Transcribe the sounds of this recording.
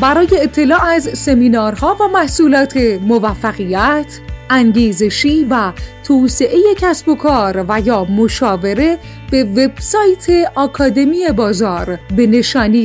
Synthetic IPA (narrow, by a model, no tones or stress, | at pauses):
bæɾɒːje̞ːt̪ʰːe̞lɒːæzse̞miːnɒːɾhɒːvæmæhsuːlɒːt̪ʰe̞movæfːæɣijæt̪ʰʔæŋɟiːze̞ʃiːvæt̪ʰoːse̞ʔe̞je̞cʰæsbo̞kʰɒːɾvæjɒːmo̞ʃɒːve̞ɾe̞ | b̥e̞ve̞b̥sɒːjt̪ʰe̞ʔɒːkʰɒːd̪e̞mie̞bɒːzɒːɾbe̞ne̞ʃɒːniː